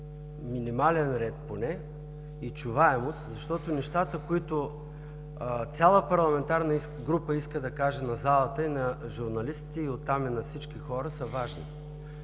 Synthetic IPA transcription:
minimalɛnɾɛt̪̚ponɛ | it͡ʃuvaɛmost̪zɐʃt̪ɔt̪onɛʃt̪at̪əkoit̪ʊ | t̪sʲalˠəpɐɾlˠɐmɛnt̪aɾnɐi | ɡɾupəiskəd̪ɐkaʒɛnɐzalˠət̪əinɐʒuɾnɐlist̪i̥t̪ɛiot̪ːaminɐfsit͡ʃk̟ixɔɾəsəvaʒni

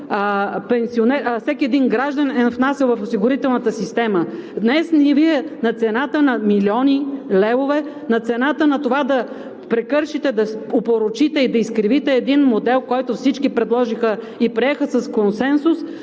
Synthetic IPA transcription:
pɛnsionɛfsɛkʲiɛd̪inɡɾaʒd̪ɐnɛfnasɛlˠvɐfosiɡʊɾit̪ɛlˠnɐt̪əsist̪ɛməd̪nɛsniviɛnɐt̪sɛnat̪ənɐmiliɔnilɛvovɛ | nɐt̪sɛnat̪ənɐt̪ovad̪ɐ | pɾɛkɤɾʃit̪ɛd̪ɐopoɾot͡ʃit̪ɛid̪ɐiskɾivit̪ɛːd̪inmod̪ɛlˠkɔjt̪ʊfsit͡ʃkipɾɛd̪lˠɔʒixə | ipɾiɛxəsɐskonsɛnsʊs

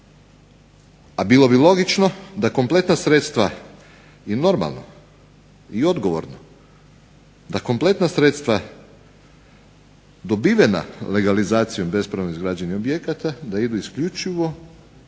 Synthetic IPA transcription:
abilo̞bilo̞ɡit͡ʃno̞d̪ako̞mplˠe̞t̪nasɾe̞t̪st̪ʋa | ino̞ɾma̰lˠno̰ | io̞d̪ɡoʋo̰ɾno | d̪ako̞mple̞t̪nasɾet̪st̪ʋa | d̪o̞biʋena̰le̞ɡalizaːt̪sijombe̞spɾaʋnoizɡɾaːd͡ʑeniobje̞kat̪ad̪aid̪uiskʎut͡ʃiʋo̞

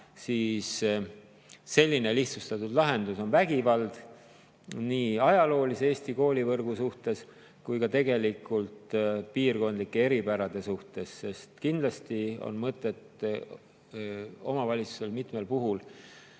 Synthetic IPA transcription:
siːs | e̞lʲːine̞liht̪sust̪ɑt̪ːˑud̪̥lɑɦe̞nd̪uso̞nvæɡ̥ivɑld̪̥ | niːɑjɑlo̞ːlisee̞ːsʲt̪iko̞ːlʲivɤrɡ̥usuht̪e̞s | kujkɑt̪e̞ɡe̞likːˑult̪piːrko̞nd̪likːe̞e̞ɾipæɾɑd̪̥e̞suht̪e̞sːe̞st̪kind̪lɑst̪io̞̰nmɤt̪ːˑe̞t̪ | o̞̰mɑvɑlʲit̪su̥se̞lmit̪me̞lpuɦul

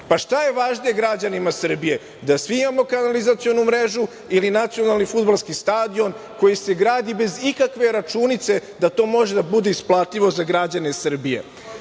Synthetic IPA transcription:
paʃt̪aje̞ʋaːʒnije̞ɡɾad͡ʑanimasr̩bije̞ | d̪asʋiimamo̞kanalizat̪sijo̞numɾeʒu | ilinat̪sijo̞nalˠnifud̪balˠskist̪aːd̪io̞n | ko̞jise̞ɡɾaːd̪ibe̞zikakʋe̞ɾat͡ʃunit̪se̞d̪at̪o̞ːmo̞ʒe̞d̪abud̪eisplˠaːt̪ʎiʋo̞zaɡɾad͡ʑane̞sr̩bije̞̰

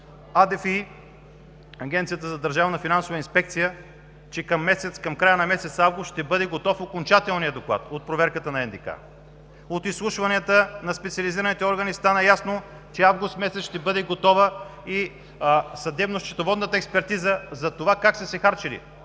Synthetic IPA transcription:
ad̪ɛfi | ɐɡʲɛ̃nt̪siət̪əzɐd̪ɐɾʒavnɐfinansovəinspɛk̚t̪sijə | t͡ʃɛkɐmːɛsɛt̪skɐmkɾajənɐmɛsɛt̪savɡʊst̪ʃt̪ɛbɤd̪ɛɡot̪ɔfokont͡ʃat̪ɛlˠnijəd̪oklˠa̰t̪ot̪̚pɾovɛɾkət̪ənɐɛnd̪ika̰ | ot̪islˠuʃvɐniət̪ənɐspɛt̪siɐliziɾənit̪ɛɔɾɡənist̪anəjasno | t͡ʃɛavɡʊst̪mɛsɛt̪ʃt̪ɛbɤd̪ɛɡot̪ɔvəi | sɐd̪ɛbnost͡ʃɛ̥t̪ovɔd̪nət̪əɛkspɛɾt̪izəzɐt̪ovakaksɐsɛxaɾt͡ʃɛlḭ

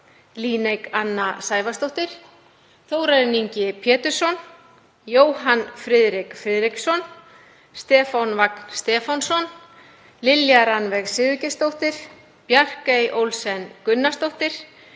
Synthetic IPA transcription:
liːnejkanːasaːjvast̪owht̪ɪɾ̥ | θoːwɾaɾɪniɲcɪpʰjɛːt̪ʏɾ̥sɔn | joːwɦanfɾɪðɾɪkfɾɪːðɾɪksɔn | st̪ɛːfanvakn̥st̪ɛːfansɔn | lɪljaɾanvɛɣsɪðʏcɪst̪owht̪ɪɾ̥ | pjar̥kejʔowlsɛnkʏnːast̪owht̪ɪɾ̥

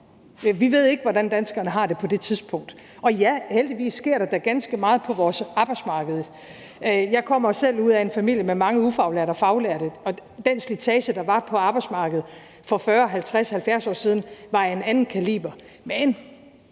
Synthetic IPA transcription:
ʋiʋe̝ð̰ˠe̝ɡ̥ʋɒdænd̥ænsɡ̥ɐnəɦɑ̈d̥e̝pʰɒ̽d̥e̝t͡sʰiðˠsb̥ʰɔ̽ŋ̰d̥ | ʔɒ̽jæheld̥iʋḭːsːɡ̥e̝ɐ̰ɾ̥ɑd̥æɡ̥ænsɡ̥əmɑ̈ːð̩ˠpʰɒ̽ʋɒːsɑ̈ːb̥ɑɪdsmɑ̈ːɡ̥əð̞̩ˠ | jɑ̈ɪkʰɒ̽m̰ɐosel̰uð̰ˠæe̝nfæmil̰jəmemɑ̈ŋəufɑ̈ʊlæɐɾɒfɑ̈ʊlæɐ̰ɾ̥əɒ̽d̥enslit͡sʰɛːɕəd̥ɑ̈ʋɑ̈pʰɒ̽ɑ̈ːb̥ɑɪdsmɑ̈ːɡ̥əð̞̩ˠ | fɒ̽fɶːɐɒɦælt͡sʰʁashælfjæɐsɒ̰ːsið̞ˠn̩ʋɑ̈e̝nænn̩kʰælḭːb̥ɐ | men

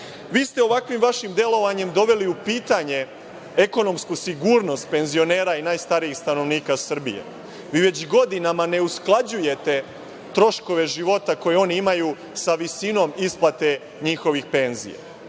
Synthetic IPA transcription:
ʋiːst̪e̞o̞ʋakʋimʋaʃimd̪je̞lo̞ʋaɲe̞md̪o̞ʋe̞liupiːt̪aɲe̞ | eko̞no̞mskusiɡuɾno̞st̪̚pe̞nzio̞ne̞ːɾainaːjst̪aɾijixst̪ano̞ʋniːkasr̩bijḛ | ʋiːʋe̞t͡ɕɡo̞d̪inamane̞usklˠad͡ʑuje̞t̪e̞ | t̪ɾo̞ʃko̞ʋe̞ʒiʋo̞t̪ako̞jeo̞niimaju | saʋisino̞misplat̪e̞ | ɲixoʋixpe̞nzḭjḛ

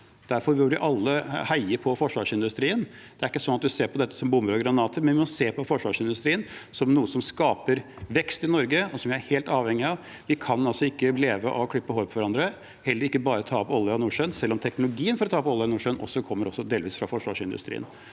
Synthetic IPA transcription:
d̪̥æɾfɔɾbøɾʋɪʔɑlːəhæɪəɾpʰɔfɔʂʋɑːʂɪnd̪ʉst̪ɾiːən | d̪̥ɛæɾɪkːəsɔnːɑt̪̚d̪ʉseːɾpɔd̪ɛt̪ːə̥sɔmbʊmːəɾɔɡɾɑnɑːt̪əɾmɛnʋɪmɔseːpʰɔfɔʂʋɑːʂɪnd̪ʉst̪ɾiːənsɔmnuːəsɔmskɑːpəɾ | ʋɛkst̪ɪnɔɾɡəɔsɔmʋɪææɾheːlt̪ɑːʋhɛŋɪɑʋ | ʋɪkʰɑnɑlsɔɪkːəleːʋəʔɔkʰlʏpːəhoːɾpʰɔʋæɾɑnd̪ɾə | hɛlːəɾɪkːəbɑːɾət̪ʰɑːɔpɔlːəɑnuːʂœnsɛlːɔmt̪ʰɛknʊlʊɡiːənfɔɾɔt̪ʰɑːpɔlːənuːʂənʔɔ̰sːɔkʰɔmːəɾɔsːɔd̪eːlʋiːsfɾɑfɔʂʋɑ̰ːʂɪnd̪ʉ̰st̪ɾḭːə̰n

